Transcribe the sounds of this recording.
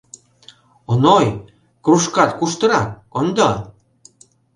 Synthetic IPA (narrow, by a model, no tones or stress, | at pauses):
onoj | kruʃkɑt̪kuʃt̪ɤ̆ɾɑk | ond̪ɑ